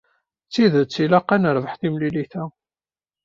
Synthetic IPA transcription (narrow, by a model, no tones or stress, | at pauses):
t͡sːiðt͡sːilaqːænəɾˤvəħθimliliθæ